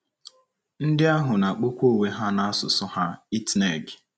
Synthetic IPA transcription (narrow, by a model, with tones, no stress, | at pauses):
n̩˦dɪ˦a˦ɦʊ˨na˨k͡po˦kʷo˦˨we˦ɦa˦na˦a˦sʊ˨sʊ˦ha˦i˦tne˨ɡ